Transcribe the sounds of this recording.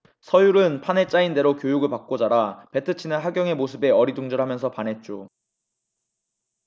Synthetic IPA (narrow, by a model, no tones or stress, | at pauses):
sʰʌjuɾɯnpʰane̞t͡ɕ͈ainde̞ɾokjojuɡɯɭpak̚k͈od͡ʑaɾape̞tʰɯt͡ɕʰinɯnɦaɡjʌŋe̞mosʰɯbe̞ʌɾiduŋd͡ʑʌɭɦamjʌnsʰʌpanɦe̞t̚t͡ɕ͈o